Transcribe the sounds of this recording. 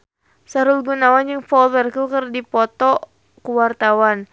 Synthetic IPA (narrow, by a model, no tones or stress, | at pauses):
saɾulɡunawand͡ʒɨŋfɔlwɛrkukərdipɔt̪ɔ | kuwart̪awan